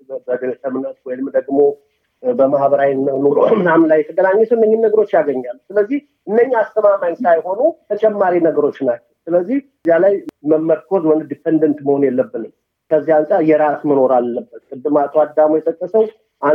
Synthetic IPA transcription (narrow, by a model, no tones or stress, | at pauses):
bəd̪ɨlt̪ʰəmnət̪̚wɔjnɨmːd̪əɡmo̞ | bəmahbəɾawnːənoɾomɨnamlajːɛt̪ʰəɡənaɲːɛsəwɨnːəɲːɪnːəɡəɾo̞t͡ʃːjaɡəɲːalːsɨləzːih | ʔɨnːəɲːiast̪ʰəmamaɲsajho̞nut̪ʰət͡ʃʼɛmːaɾinəɡəɾo̞t͡ʃːnat͡ʃːɛwsɨləzːih | zalajməmːəɾkʰo̞zmənd̪d̪ipʰːend̪ənt̪məho̞njɛlːəbːɨnɨm | kʰəzːihansʼaɾjɛɾasməno̞ɾalːəbːət̪kʼɨd̪ːɨmat̪ʰʼwad̪ːamujɛt̪ʼəkʼːəsəw | ʔa